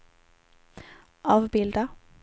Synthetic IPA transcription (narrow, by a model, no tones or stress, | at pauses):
ʔɑːʋbɪld̪ə